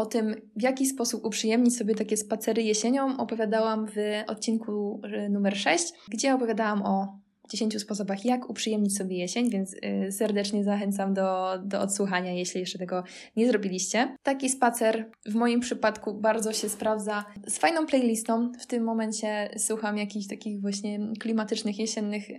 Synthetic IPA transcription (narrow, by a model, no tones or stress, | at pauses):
ɔt̪ɘm | vjakʲispɔsupupʂɨjɛmɲit͡ɕsɔbʲjɛt̪akʲɛspat̪sɛɾɘjɛɕeɲɔmʔɔpɔvʲjad̪awamvɔ̰t̪̚t͡ɕinkʰunumɛɾʂɛɕt͡ɕɡd͡ʑɛɔpɔvʲjad̪awamɔ | d͡ʑeɕeɲt͡ɕuspɔs̬ɔbaxjakupʂɨjɛmɲit͡ɕsɔbʲjɛjɛɕeɲvʲjɛnt̪ssɛɾd̪ɛt͡ʂɲɛzaxɛnt̪samd̪ɔd̪ɔɔt̪swuxaɲajɛɕlʲijɛʂt͡ʂɛt̪ɛɡɔ | ɲɛzɾɔbʲilʲiɕt͡ɕɛt̪akʲispat̪sɛɾ | vmɔjimpʂɘpat̪kubaɾd̪zɔɕɛspɾavd̪zasfajnɔ̃w̃plɛjlʲist̪ɔ̃wft̪ɘmːɔmɛɲt͡ɕɛswuxamjakʲiɕt̪akʲixvwaɕɲɛklʲimat̪ɘt͡ʂnɘxjɛɕɛnːɘx